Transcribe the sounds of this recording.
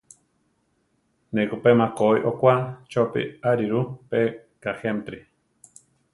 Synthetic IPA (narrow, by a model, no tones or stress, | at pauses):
nekupemakoiʔokʷat͡ʃopḭaɾiɾupe | kaxemt̪ɾi